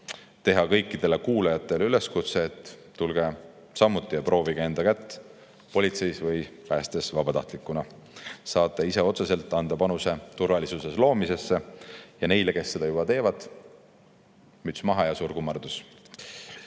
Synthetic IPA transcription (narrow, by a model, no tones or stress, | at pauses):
t̪e̞ɦɑkɤ̞jkːˑid̪̥e̞lekuːlɑjɑt̪ːˑe̞lyle̞skut̪se̞ːt̪ː | ulɡ̥e̞ | sɑmːut̪ˑːijɑpro̞ːviɡ̥ee̞nd̪ɑkæt̪ː | po̞lʲit̪se̞jsvɤjpæːst̪e̞svɑbɑt̪ɑ̰ht̪likːˑunɑ | sɑːt̪ːˑeise̞o̞t̪sese̞lt̪ːˑɑnd̪̥ɑpɑnuse̞t̪urvɑlisuse̞slo̞ːmise̞sːe̞jɑne̞jle̞ke̞sːe̞d̪̥ɑjubɑt̪e̞ːvɑd̪̥ | myt̪smɑɦɑjɑsuːɾɡ̥umːɑrd̪us